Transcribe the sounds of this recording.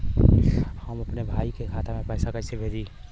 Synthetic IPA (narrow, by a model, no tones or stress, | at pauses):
həməpnebʱaikekʰat̪amepəɦsakəsebʱed͡ʒi